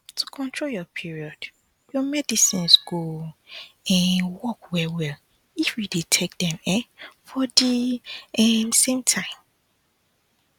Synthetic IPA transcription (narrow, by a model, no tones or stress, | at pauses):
tʰukʰɔ̃ntʰɹoljɔpʰiɹiɔd̥ | jɔmɛdisĩnsɡo | ɛ̃nwɔkwɛwɛl | ifjidetʰek̚dɛ̃mɛ̃fɔdiɛnsẽmtʰãɪ̃m